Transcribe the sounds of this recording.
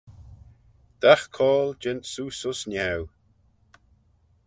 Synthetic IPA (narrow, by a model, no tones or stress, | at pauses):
d̪̥axkʰɔːld͡ʒɪntsuːsʊsnʲɛw